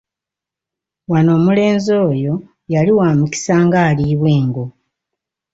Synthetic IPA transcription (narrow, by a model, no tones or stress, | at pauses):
wano̞ːmule̞ːnzo̞ːjo̞ | jaliwaːmuki̥saːŋɡaːliːβwe̞ːŋɡo̞